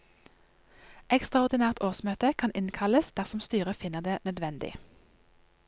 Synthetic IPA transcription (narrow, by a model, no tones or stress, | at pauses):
ʔɛkst̪ʁɑʊʁd̪ɪnæːʁt̪ʰoːʁsmøːt̪əkʰɑnʔɪnkʰɑləsd̪̥æʁsɔmst̪yːʁəfɪnəʁd̪eːnœd̪ʋɛnd̪ɪ̰